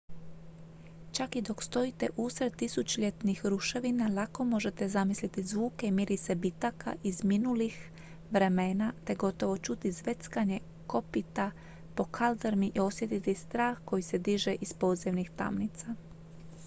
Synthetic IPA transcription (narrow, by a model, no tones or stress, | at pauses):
t͡ʃakid̪o̞kst̪o̞it̪e̞ʔusɾed̪̚t̪isut͡ʃiʎe̞t̪nixɾuʃe̞ʋinalako̞mo̞ʒe̞t̪e̞zamislit̪izʋuːke̞imiɾise̞bit̪aka̰ʔizminulix | ʋɾe̞meːnat̪e̞ɡo̞t̪o̞ʋo̞t͡ʃut̪izʋe̞t̪skaɲe̞ | ko̞pit̪a | po̞kʰald̪eɾmiʔio̞sje̞t̪it̪ist̪ɾaːxko̞jise̞d̪iʒe̞ʔispo̞ːd̪ziʋnixt̪a̰mnit̪sa